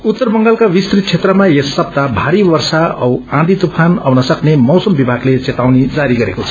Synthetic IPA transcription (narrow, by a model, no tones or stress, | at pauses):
ut̪ːʌrbʌŋɡalkawist̪rit̪̚t͡sʰet̪rʌmajesːʌb̚t̪abʱaɾibʌrsaʌwãd̪it̪upʰanʌwnʌsʌknemʌwsʌmbibʱaɡlet͡set̪awned͡zaɾiɡʌɾḛkot͡sʰʌ̥